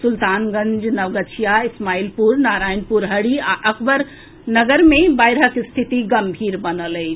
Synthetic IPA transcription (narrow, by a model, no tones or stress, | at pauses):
sult̪anɡə̃ɲd͡ʒnəʋɡət͡ʃʰijaismaːilpuɾnaɾaːjnpuɾɦəɽiaʔəkbəɾ | nəɡəɾmebajɾɦəkst̪ʰit̪iɡəmbʱiɾbənələɪ